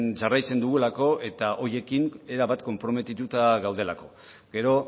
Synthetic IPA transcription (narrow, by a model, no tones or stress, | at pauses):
nsarajt͡se̞nd̪uɣulako̞ʔe̞t̪aʔo̞je̞kine̞ɾaβat̪ko̞mpɾo̞me̞t̪it̪ut̪aɣawð̞e̞lako̞ | ɡe̞ɾo̞